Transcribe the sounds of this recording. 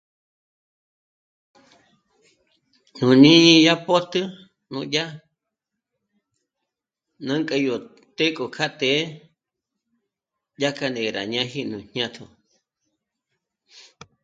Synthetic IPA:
nũ˨nĩ˦i˧ja˦po˦t̪ɨ˦ | nṵ̃˧ja˦ | nã˦ŋkʼe˧jo˨ | t̪e˦kʼo˨kʰa˦t̪e˦ | ʄa˦ka˧nẽ˨ɾa̰˨ɲã˦ɦi˦nũ˨ɲ̥ɲã˦t̪ʰo̰˨

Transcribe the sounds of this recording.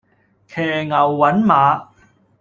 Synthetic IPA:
kʰɛː˨˩ŋɐ˨˩wːɐ˨˥nmaː˨˧˥

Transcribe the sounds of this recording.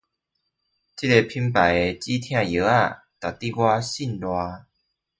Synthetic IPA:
t͡ɕi˦˥te˧pʰi˧˥mpa˨je˧t͡ɕi˦t̪ʰj̃ã˥˧˨je˨˦a˥˧˨ | t̪a˨˩t̪i˥˧ɡwa˦ɕi˥˨nlwa˧

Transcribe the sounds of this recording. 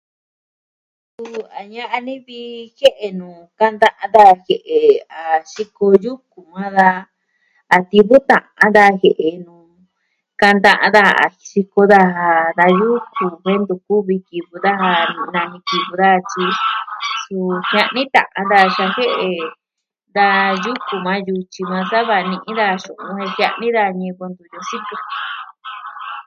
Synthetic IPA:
su˦˧a˨ɲã˧ʔa˧nĩ˦βi˧he˦ʔe˧nũː˨ka˧nd̪ã˧ʔã˧d̪a˧˨he˨ʔe˨a˨ʃi˧ko˧ju˦ku˨mã˦ðaː˧˨ | t̪i˧βu˦t̪ã˨ʔã˧˦nd̪a˧he˨ʔe˨nũː˨ | ka˧nd̪ã˧ʔã̰˧ða˦˧a̰˨ʃi˧ko˧ða˧ɦa˧ða˧ju˦ku˨he˦nd̪u˧ku˦βi˧ki˨βu˧ða˦ha˧nĩ˧nã˧nĩ˧ki˧βu˧ða˦˧t͡ʃi˧su˧hã˧ʔnĩ˦t̪ã̰˨ʔã˧nd̪a˧ʃa˧he˦ʔe˧ | d̪a˧ju˦ku˨mã˧ju˧t͡ʃi˧mã˧sa˦βa˧nĩ˧ʔĩ˦ða˧ʃũ˨ʔũ˧he˧hjã˧ʔnĩ˦ða˧ɲĩ˧ko˧nd̪u˧˨jo˧si˦ku˧

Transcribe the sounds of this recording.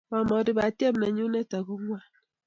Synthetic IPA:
ba˨mɔ˨di˦ba˨tje˦mne˨ɲu˦ne˦ta˨ɡu˦ŋʷwa˦˨n

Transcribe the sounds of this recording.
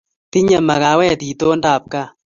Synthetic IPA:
ti˦ɲa˨ma˨ɣa˨˦wɛ˦˨ti˨to˦nda˦˨p̚ka˦˨

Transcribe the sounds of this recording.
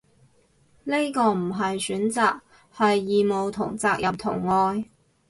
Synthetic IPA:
nle˥kɔː˧m̩˨˩ɦɐ˨jsyː˨˥nt͡saː˨k̚ | hɐ˨jːiː˨˧mo˨˧wt̪ʰʊ˨˩ŋt͡saː˧k̚jʔɐ˨mt̪ʰʊ̰˨˩ŋːɔː˧j

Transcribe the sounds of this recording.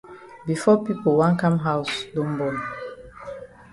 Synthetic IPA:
bi˨fɔ˦pi˦po˨wã˦nkã˦mɦa˦ʊsdõ˦mbɔ̃˨n

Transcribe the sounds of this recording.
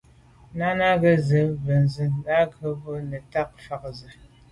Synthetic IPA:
na˦na˦ɡə˦zɨ˨və˨n˨zɨ˨˦na˦kə˦bo˦nə˨ta˦k̚fa˨k̚zə˨

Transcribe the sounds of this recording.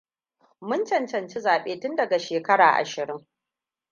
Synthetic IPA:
mʊ˦nt͡ʃɐ˨nt͡ʃɐ˨nt͡ʃi˦zaː˨ɓeː˦tʊ˦ndɐ˨ɡa˨ʃeː˨kɐ˦ɽaː˨ʔa̰˨ʃɪ˨ɾɪ˦ŋ

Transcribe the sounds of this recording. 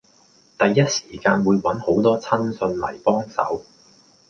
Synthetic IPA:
t̪ɐ˨jːɐ˥t̚si̥ː˨˩kaː˧nwuː˨˧jwɐ˨˥nho˨˥wt̪ɔː˥t͡sʰɐ˥nsɵ˧nlɐ̰˨˩jpɔː˥ŋsɐ̰˨˥w

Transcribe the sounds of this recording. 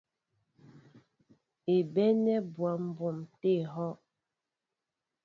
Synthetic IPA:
e˨bɛ˦nɛ˦bwa˨˦m̩˦bo˨mte˦˨ɦɔ˦ʔ

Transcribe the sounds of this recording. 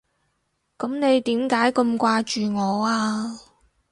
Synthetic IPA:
kɐ˨˥mne˨˧jt̪iː˨˥mkaː˨˥jkə˧mkʷaː˧t͡ʃyː˨ŋɔː˨˧aː˧

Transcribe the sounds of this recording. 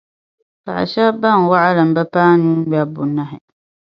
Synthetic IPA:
pa̰˨ʔa̰˨ʃa˦ba˦˨ŋ˨wa˦ʔa˦la˨m̩˨bɛ˦paː˦nũ˦ba˨bʊ˨na˦ɦɛ˨

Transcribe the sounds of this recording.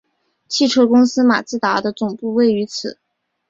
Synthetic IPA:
t͡ɕʰi˥˩ʈ͡ʂʰɤ˥kʊ˥ŋsɹ̩˥ma̰˨˩t͡sɹ̩˥˩t̪a˧˥d̪ə˧t͡sʊ˨˩ŋpu˥˧we˥˩ɪy˧˥t͡sʰɹ̩˨˩˦

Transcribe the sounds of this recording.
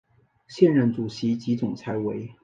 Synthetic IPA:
ɕjɛ˥˧nɻə˥˩nt͡su˨˩ɕi˧˥t͡ɕi˧˥t͡sʊ˨˩ŋt͡sʰa˧˥ɪwe˧˥ɪ

